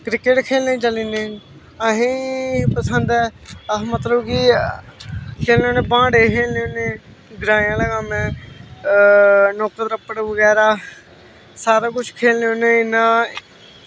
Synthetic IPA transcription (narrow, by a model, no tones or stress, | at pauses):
kɾɪkeʈkʰeːlnẽːt͡ʃəliːneː | əɦĩːpəsənd̪ɛːmət̪ləbki | kʰeːlneoːneːbãːɽeːkʰeːlneːoːnẽː | ɡɾaːjãːləɡaːmɛ̃ː | nɔːkəd̪ɾəpːəɽʋəɡɛːɾaː | saːɾaːkʊt͡ʃʰkʰeːlneːoːneːɪnãː